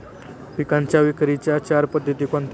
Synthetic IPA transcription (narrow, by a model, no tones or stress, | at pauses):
pikaɲt͡ɕjaʋikɾit͡ɕjat͡ɕaɾpəd̪ʱːət̪ikɔ̃nt̪